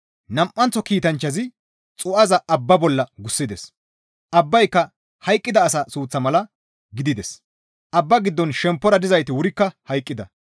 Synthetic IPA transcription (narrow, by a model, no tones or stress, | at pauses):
nɐmʔːɐnt͡sːɔkiːt̪ɐnt͡ʃːɐzɪ | t͡sʼʊʔɐzɐʔɐbːɐbɔlːɐɡʊsːɪd̪ɛs | ʔɐbːɐjkːɐ | hɐjkʼːɪd̪ɐːs̬ɐsuːt͡sːɐmɐlɐ | ɡɪd̪ɪd̪ɛs | ʔɐbːɐɡɪd̪ːɔnʃɛmpːɔɾɐd̪ɪzɐjt̪ɪwʊɾɪkːɐhɐjkʼːɪd̪ɐ̰